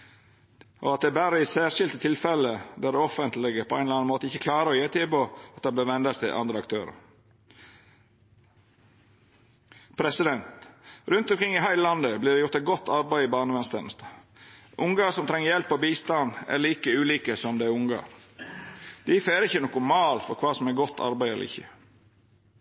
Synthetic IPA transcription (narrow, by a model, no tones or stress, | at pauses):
ʔɔ̰ɑt̪̚d̪ɛæːbæːɾəɪsæːʂɪlt̪ət̪ʰɪlfɛləd̪æɖɛɔfənt̪lɪɡəpʰɔæɪnlɑnnmoːt̪əɪçːəkʰlɑːɾəɔjeːt̪ʰɪlboɑt̪̚d̪ɛnb̪eːʋɛnd̪ɑst̪ʰɪlʔɑ̰nd̪ɾəɑkt̪ʰø̰ːɾə̰ɾ | pʰɾɛsɪd̪ɛnt̪ɾʉnt̪ʊmkɾɪŋːɪɦæɪləlɑnd̪əbliːɾɖɛjʊɾt̪æɪt̪̚ɡɔt̪ːɑɾbæɪɪbɑːɳəʋɛnst̪ɛnəst̪ə | ʔʊŋɡɑsɔmt̪ʰɾɛŋːəɾjɛlpːɔːbiːst̪ɑnæ̰ɾɭiːkəʉːliːkəsɔmd̪ɛæɾʊŋɡɑ̰ɾ | d̪̥ɪfeːɾəɾɪçːənɔːkʊmɑːlfɔɾkʰʋɑːsɔmɛɡɔt̪ʰːɑ̰ɾbæɪɛl̰ɪ̰çə̰